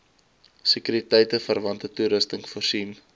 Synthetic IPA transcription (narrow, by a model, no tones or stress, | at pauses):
sekyːɾitɛjtəfərvɐntətuɾəstəŋforsim